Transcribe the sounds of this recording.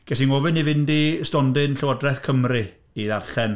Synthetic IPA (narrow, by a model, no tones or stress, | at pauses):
ɡ̥ɛsinɔvɨnivɪndistɔndɪnɬəwədrɛθkʰəmrɨ | iðarɬɛn